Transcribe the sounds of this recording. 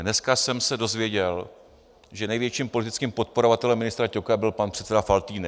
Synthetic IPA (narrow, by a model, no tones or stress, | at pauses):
nɛskasɛmsɛdo̞zvjɛɟɛl | ʒɛnɛjvjɛt͡ʃiːmpo̞lɪt̪ɪt͡skiːmpo̞t̪̚po̞ɾo̞vat̪ɛlɛmːɪnɪst̪ɾacokabɪlpanpr̥ɛt̪t͡sɛdafalt̪iːnɪ